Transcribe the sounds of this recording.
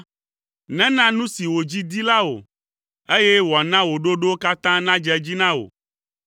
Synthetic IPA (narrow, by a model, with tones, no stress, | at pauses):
nɛ̃˦nã˦nũ˦si˨wo˨d͡ʑi˦d̪i˦la˦wo̰˨ | e˦jɛ˦wo˨a˨nã˦wo˨ɖo˦ɖo˦o˦ka˦t̪ã˦nã˦d͡ʒɛ˦d͡ʑi˦nã˦wo̰˨